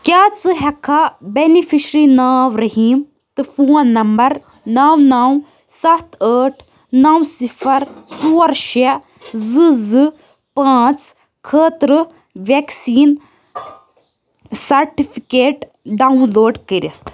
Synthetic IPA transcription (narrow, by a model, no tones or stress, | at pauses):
kʲjaːt͡sɨɦɛkʰːabenifiʃɾinaːʋɾɐɦiːm | t̪ɨfuːnːɐmbɐɾ | naːwnaːw | sɐt̪ʰəːʈʰ | nawsipʰɐɾtuːɐɾʃe | zɨzɨ | paːt͡s | kʰəːt̪ɾɨ | ʋeksiːn | sɐɾʈifʰikeːʈ | ɖaːunloːɖkəɾit̪ʰ